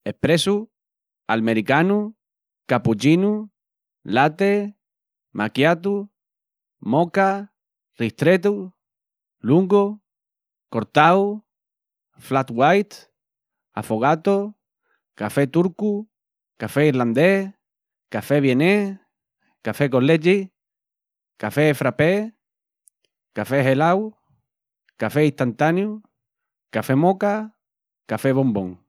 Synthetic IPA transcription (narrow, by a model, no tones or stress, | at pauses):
ehpɾesu | almeɾikanu | kaput͡ʃinu | lat̪e | mʔakjat̪̬u | moka | riht̪ɾet̪̬u | luŋɡo | ko̞ɾt̪aw | flat̪wajt̪ | a̰foɣat̪o | kafet̪uɾku | kafeiɾland̪e | kafeβjene | kafekoled͡ʒi | kafefɾape | kafeɦelaw | kafeiht̪ant̪anju | kafemoka | kafeβombõŋ